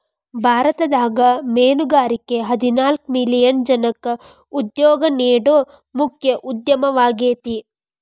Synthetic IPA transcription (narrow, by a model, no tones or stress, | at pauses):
bʱaːɾɐt̪ɐd̪aːɡɐmeːnuɡaːɾikeɦɐd̪inaːlkmilijɐnd͡ʒɐnɐkɐ | ud̪jɔːɡɐneːɽoː | mukʰjɐʔud̪jɐmɐʋaːɡeːt̪i